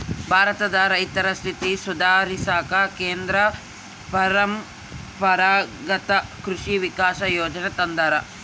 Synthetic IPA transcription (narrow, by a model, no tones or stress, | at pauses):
bʱaːɾɐt̪ɐd̪ɐɾɐjt̪ɐɾɐst̪ʰit̪isud̪ʱaːɾisaːkɐkeːnd̪ɾɐ | pɐɾɐm | pɐɾaːɡɐt̪ɐkɾuʂiʋikaːʃɐjoːd͡ʒɐnɐt̪ɐnd̪ɐɾɐ